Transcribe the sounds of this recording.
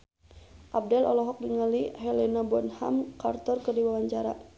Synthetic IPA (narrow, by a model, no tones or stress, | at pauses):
ʔab̚dɛlʔɔ̰lɔɦɔk̚diŋəlihɛlɛnabɔnha̰mkart̪ɔrkɨrdiwawaɲt͡ʃaɾa̰